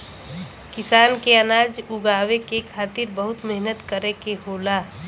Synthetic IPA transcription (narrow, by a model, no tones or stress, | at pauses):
kɪsaːnkeənaːd͡ʒʊɡaːʋekekʰaːt̪ɪɾbəɦʊt̪mɛɦnət̪kəɾekeɦoːlaː